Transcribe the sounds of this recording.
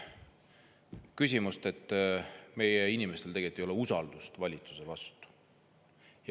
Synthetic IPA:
kysʲimust̪e̞t̪ˑːme̞jeinimest̪e̞lt̪eɡet̪iejo̞leusɑld̪̥ust̪vɑlʲit̪su̥se̞vɑst̪u̥ | jɑ

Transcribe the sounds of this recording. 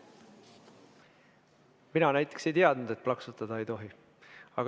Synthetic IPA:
minɑnæjt̪ːˑe̞kse̞jt̪iɑd̪̥nud̪̥e̞t̪̚plɑksut̪ˑɑd̪̥ɑe̞jt̪o̞ɦi | ɑɡ

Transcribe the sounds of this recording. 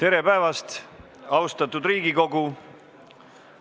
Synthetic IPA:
t̪e̞ɾe̞pæevɑst̪ | ɑwst̪ɑt̪ːˑud̪riːɡiko̞ɡu

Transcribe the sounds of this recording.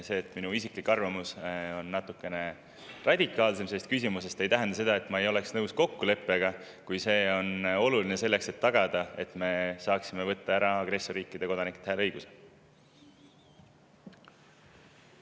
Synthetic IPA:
se̞ːt̪ːˑminuisiklikːɑrvɑmuso̞nːɑt̪ːˑukːˑe̞ne̞ | rʔɑd̪̥ʲikːˑɑːlse̞mise̞st̪̚kys̬ʲimuse̞st̪e̞jt̪æɦænd̪̥ɑse̞d̪ɑe̞t̪ːˑmɑejo̞le̞ksnɤwsko̞kːule̞pːˑeɡ̥ɑ | kujse̞ːo̞no̞lulinese̞lːe̞kse̞t̪ːɑɡ̥ɑd̪̥ɑe̞t̪me̞sɑːksimevɤt̪ːɑæɾɑɑɡre̞sːoɾiːkˑːid̪̥e̞ko̞d̪ɑnikːˑe̥t̪hæːlɤjɡ̥usel

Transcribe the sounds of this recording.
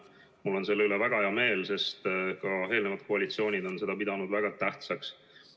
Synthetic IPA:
mulːo̞nse̞lːeylevæɡ̥ɑheɑme̞ːlse̞st̪kɑe̞ːlne̞vɑd̪̚koɑlit̪sijo̞ːnʲid̪o̞nse̞d̪̥ɑpid̪̥ɑnud̪væɡ̥ɑt̪æht̪sɑks

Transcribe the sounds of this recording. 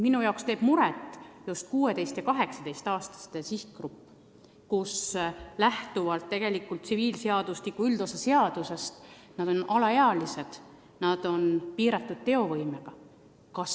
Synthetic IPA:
minujɑokst̪e̞ːb̥muɾet̪ːˑjust̪̚kuːed̪e̞jst̪jɑkɑɦe̞ksɑ̥d̪e̞jst̪ɑːst̪ɑ̥st̪esihkɡrupːˑ | kuslæht̪uvɑlt̪ːe̞ɡ̥e̞likːˑult̪siviːlseɑd̪uslikːˑuyld̪̥osese̞ɑd̪̥use̞st̪ | nɑd̪̥o̞nɑlɑeɑlise̞d̪̥ | nɑd̪̥o̞npiːɾɑt̪ːˑud̪̥̚t̪e̞o̞vɤjme̞ɡ̥ɑ | kɑs

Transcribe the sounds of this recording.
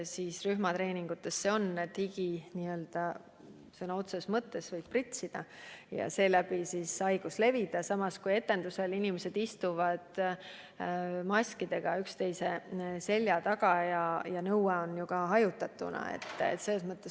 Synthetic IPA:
siːsryhmɑt̪ɾe̞ːnʲiŋɡ̥ut̪ːˑe̞sːeo̞nːet̪ːhiɡiniø̞ld̪̥ɑ | senɑo̞t̪sesmɤt̪ːˑe̞svɤjd̥̪̚prit̪ʲsid̪̥ɑjɑ̰se̞ːlæb̥isisɑjɡ̥usle̞vid̪̥ɑsɑmɑskuje̞t̪ːˑe̞nd̪use̞linimese̞d̪̥ist̪uvɑd̪̥ | mɑsʲkid̪̥e̞ɡ̥ɑykst̪e̞jse̞se̞lʲjɑt̪ɑɡ̥ɑjɑjɑnɤweo̞njukɑɦɑjut̪ːˑɑt̪ːˑunɑ̰ḛt̪ːˑḛt̪ːselːesmɤt̪ːˑe̞s

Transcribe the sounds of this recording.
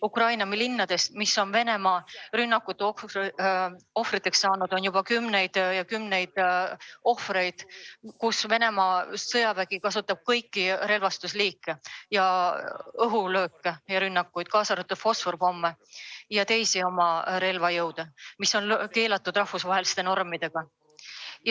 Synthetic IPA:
ukrɑjnɑmilinːɑd̪̥e̞st̪misːo̞nve̞ne̞mɑrynːɑkːˑut̪ːˑeo | o̞fɾit̪ːˑe̞ksːɑːnud̪̥o̞njub̥ɑkymne̞jd̪̥jɑkymne̞jd̪̥ | o̞fre̞jd̪̥kusve̞ne̞mɑsɤjɑvæɡ̥ikɑs̬ut̪ːˑɑb̥̚kɤjkːiɾe̞lvɑst̪usliːkːejɑ | ɤɦulø̞ːkːˑejɑɾynːɑkːˑujd̪̥̚kɑːsɑɾet̪ːˑud̪̥fo̞sforbo̞mːejɑt̪e̞jsio̞mɑɾe̞lvɑjɤwd̪̥emisːo̞nke̞ːlɑt̪ːˑud̪̥rɑhfusvɑɦeli̥st̪e̞no̞rmid̪̥e̞ɡ̥ɑ | j

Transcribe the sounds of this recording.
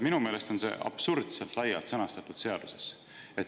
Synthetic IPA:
minume̞ːle̞st̪o̞nse̞̰ʔɑ̰b̥suɾd̪̥selt̪lɑjːɑlt̪sɤnɑst̪ɑt̪ːud̪̥se̞ɑd̪̥use̞s | et̪

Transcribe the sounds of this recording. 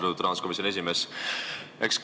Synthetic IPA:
t̪ut̪ːɾɑnsko̞misionie̞simeːs | eksk

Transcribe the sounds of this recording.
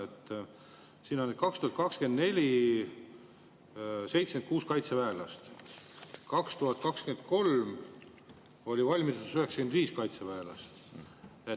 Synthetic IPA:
et̪ː | siːnːonːed̥̪̚kɑkst̪uhɑt̪kɑkske̞nd̪ne̞lʲi | se̞jt̪sen̚kuːskɑjt̪sevæelɑst̪ | kɑkst̪uɦɑt̪̚ːˑkɑkskyend̪̚ko̞lm | o̞lʲivɑlʲmit̪u̥syhe̞ksɑ̥kend̪viːskɑjt̪sevæelɑ̰st̪ | e

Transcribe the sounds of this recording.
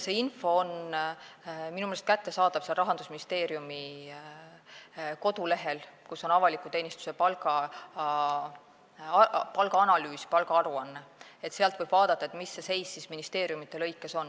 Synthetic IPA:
se̞ːinfo̞on | minumelest̪kæt̪ːe̞sɑːd̪ɑb̥seɑlrɑɦɑnd̪̥usminist̪e̞ːɾjumi | ko̞d̪̥ule̞ɦe̞lkusːo̞nɑvɑlikːˑut̪e̞ːnist̪u̥se̞pɑlɡɑ | pɑlɡ̥ɑɑnɑlyːsi̥pɑlɡ̥ɑɑɾuɑnːee̞t̪se̞ɑlt̪vɤjb̥vɑːd̪̥ɑt̪ːɑet̪ˑmisːe̞se̞jsːisminist̪e̞ːɾjumit̪ːˑe̞lɤ̞jkːˑe̞so̞nː

